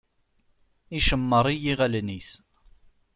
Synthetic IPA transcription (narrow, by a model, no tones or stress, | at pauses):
iʃəmːəɾˤijiʁælnis